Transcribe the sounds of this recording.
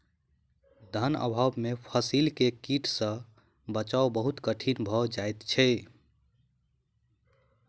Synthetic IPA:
d̪ʱənə̰bʱabmepʰəsilkekiʈʰsə̃ | bət͡ʃawbəɦut̪kəʈʰinbʱɔd͡ʒajt̪t͡ʃʰɛ

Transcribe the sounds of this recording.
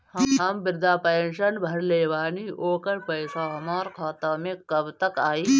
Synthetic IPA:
hɦɐmbɪɾd̪ʱaːpeːnʃɐnbʱɐɾleːʋaːniʔoːkɐɾpɐɪsaːɦɐmaːɾkʰɔːt̪ɐmẽkɐbt̪ɐkaːiː

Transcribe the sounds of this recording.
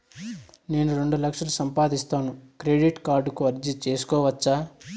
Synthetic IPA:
ne̞ːnuɾe̞ɳɖulɐkʂɐlusɐmpaːd̪ist̪aːnukɾeːɖiʈkaːɾɖukuɐɾd͡ʒit͡ʃe̞ːsu̥kɔːʋɐt͡ʃːaː

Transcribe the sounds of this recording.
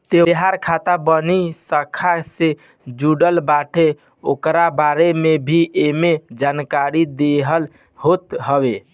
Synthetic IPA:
t̪eɦaɾkʰat̪abənisəkʰase | d͡ʒuɖəlbaʈʰe | okɾabaɾemebʱiʔemed͡ʒankaɾid̪eɦəl | ɦot̪ɦəbe

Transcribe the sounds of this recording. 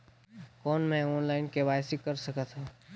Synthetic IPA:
kɔːnmɛ̃ɔːnlaːɪnkebaːjsikɐɾsɐkat̪ɦaː

